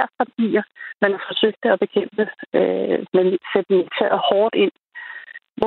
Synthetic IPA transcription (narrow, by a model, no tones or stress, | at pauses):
ɐ̰pʰɑdʰɡ̥ḭːɐmænhɑfɒ̽søɡ̥̚d̥ɒb̥e̝kʰem̰b̥əømelsed̥əni̥t͡sʰæɐ̰hɒːd̥e̝n̰ | ʋ